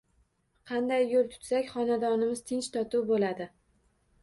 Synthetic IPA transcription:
qʰɑnd̪ajːolˠt̪ʰʊ̥t̪sakʲχɒnad̪ɒnɪmɪz̥t̪ʰɪnt͡ʃt̪ʰɒt̪uwbolad̪ɪ

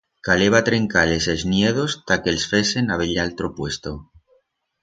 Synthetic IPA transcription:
kaleβ̞at̪ɾeŋkale̞seznjeð̞ost̪akelsfɾesenaβeʎalt̪ɾopwe̞st̪o

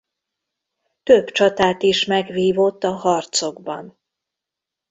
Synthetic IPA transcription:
t̪øbt͡ʃɒt̪aːt̪iʃmɛɡʋiːvo̞t̪ːɒɦɒrt̪so̞ɡbɒ̰n

